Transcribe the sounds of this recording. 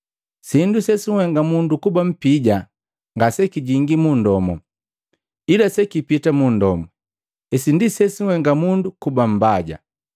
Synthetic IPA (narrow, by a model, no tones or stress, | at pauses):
sindusɛsiwɛŋɡamundukubam̩piɟa | ŋɡasɛkiɟiŋɡimundɔmɔ̰ | ilasɛkipitamundɔmɔ | ɛsindisɛsiwɛŋɡamundukubam̩baɟa̰